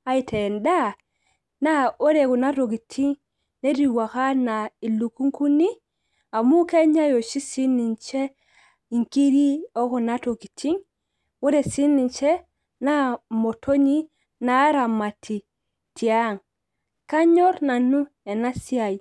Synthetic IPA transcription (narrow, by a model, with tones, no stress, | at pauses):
a˦i˨tʰe˨nda˦ | na˦o˦ɾe˨ku˨na˦to˨ɡi˨tʰi˦ŋ | ne˦ɾi˨wa˨ka˦na˨i˨lu˨ku˦ŋku˦ni˦ | a˨mu˦ke˦ɲa˦jo˨ʃi˦si˦ni˨nt͡ʃe˦ | i˨ŋki˦ɾi˦o˦ku˨na˦to˨ki˨tʰi˦ŋ | wo˦ɾe˨si˦ni˨nt͡ʃe˦ | na˦mo˨tʰo˦ɲi˦ | na˨˦ɾa˨ma˨tʰi˨ | ti˨a˦ŋ | ka˦ɲo˦ɾna˨nu˦ | e˨na˦si˦a˨j